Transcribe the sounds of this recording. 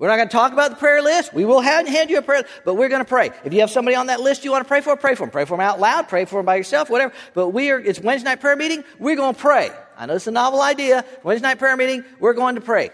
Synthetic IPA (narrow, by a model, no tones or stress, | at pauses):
wɨɹnət̚ɡ̥ʌnətʰɔkəbaʊt̪̚ðə̥pʰɹ̥ɛɹlɪst̚wiwɪlˠɨvɨ̃nɦæ̃ndjɨəpʰɹ̥ɛ | b̥ʌt̚wɪɹɡʌnəpʰɹ̥eɪɨfjɨːv̥sʌ̃mbɑɾiə̃nðɨtˡlɪstjɨwɑ̃ntəpʰɹeɪfə˞əpʰɹ̥eɪfə˞mpʰɹ̥eɪfə̃˞maʊtˡlaʊd̚pʰɹ̥eɪfə˞ɨ̃mbaɪjə˞sɛlˠfwʌɾɛvə˞b̥ʌt̚wiə˞ɨtswɛ̃nznaɪt̚pʰɹ̥ɛɹmiɾɪ̃ŋwɪɹɡoʊ̃nəpʰɹ̥eɪa̰ɪnoʊðɨtsənɑvl̩ˠaɪdiəwɛ̃nznaɪt̚pʰɹ̥ɛɹmiɾɪ̃ŋwɪɹɡoʊɪ̃ŋtʰəpʰɹ̥eɪ